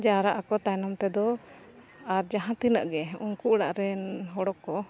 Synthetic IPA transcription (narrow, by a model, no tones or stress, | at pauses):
d͡ʒaɾaʔakɔt̪ajnɔmt̪ɛd̪ɔ | aɾd͡ʒaɦãt̪inə̰ʔɡɛuŋkuʔɽaʔɾɛnɦɔɽɔkːɔ